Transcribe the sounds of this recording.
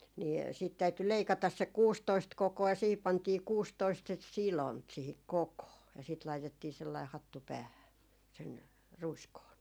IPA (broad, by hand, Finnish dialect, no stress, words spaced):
niː siːt tæyty leikɑtɑs se kuːstoist kokoɑ jɑ siːhip pɑntiː kuːstoist sit silont siːhik kokoː jɑ sit lɑitetːiː selːɑih hɑtːu pæːhæ sen ruiskoːn